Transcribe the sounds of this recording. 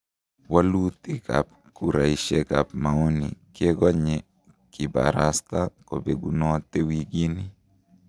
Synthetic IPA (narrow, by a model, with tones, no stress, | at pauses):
wa˦lu˦t̪i˦ka̰˨p̚ | ku˦ɾa˨iʃe˦ɡa˨pma˨o˦nḭ˨kɛ˦ɡɔ˦ɲɛ˨ | ki˨ba̰˨ɾa˨st̪a˦ko˨be˨ɡu˦nɔ˦t̪e˦wiɡi˦ni˦